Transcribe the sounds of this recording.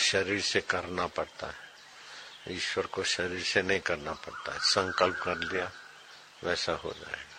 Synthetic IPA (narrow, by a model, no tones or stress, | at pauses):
ʃɐɾiːɾsekɐɾnapɐɽt̪a̰ɦɛ | iːʃwəɾkoʃɐɾiːɾsenɐɦĩkɐɾnapɐɽt̪aɦɛsɐ̃ŋkəlp̚kɐɾlija | ʋɛːsaɦo̰d͡ʒa̰ːḛːɡaː